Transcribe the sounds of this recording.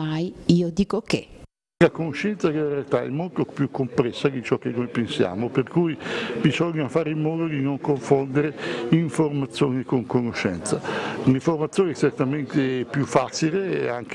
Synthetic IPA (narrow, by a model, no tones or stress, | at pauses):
ajiːod̪iːkokḛ | kakonoʃːɛnt̪sakelarealt̪aɛ̰mːolt̪opjukːompɾɛsːaɡit͡ʃɔk̟ːenːojpensja̰ːmoperkujbizɔɲːafaːɾimːɔːd̪od̪inoŋkoɱfond̪eɾeiɱformat̪sːjoːnekoŋkonoʃːɛ̰nt̪saniɱformat̪sjoːnɛt͡ʃːert̪amɛnt̪epjufːat͡ʃileɛ̰aŋk